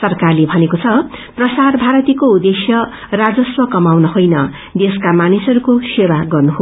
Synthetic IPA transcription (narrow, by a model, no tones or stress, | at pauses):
sʌrkarlebʱʌnekot͡sʰʌprʌsaɾbʱaɾʌt̪ikoud̪esjʌ | rad͡zʌswʌkʌmawnʌɦojnʌ | d̪eskamanisʌɾukosewaɡʌrnuɦo